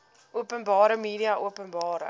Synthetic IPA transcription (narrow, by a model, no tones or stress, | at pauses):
ʔuəpənbɑːɾəmiːɾiɐʔuəpənbɑːɾə̰